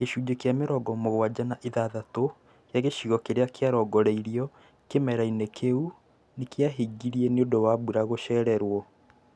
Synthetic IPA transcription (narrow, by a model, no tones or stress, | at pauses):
keʃuːd͡ʑekjameɾɔɡɔmoɣwad͡ʑanaʔeðaðato | jaɣeʃiɣɔkeɾeakeaɾɔɡɔɾɛiɾiɔ | kemɛɾainekʰeu | nekjaɦiɡiɾieneodowaβuɾaɣoʃɛːɾɛɾwɔ